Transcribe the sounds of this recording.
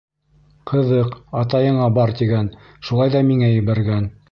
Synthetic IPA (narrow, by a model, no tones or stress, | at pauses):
qʰɤ̆ðɤqɑt̪ɑjɤ̆ɴɑbɑɾt̪iɡæn | ʃulˠɑjðɑmiŋæjɘ̆βæɾɡæn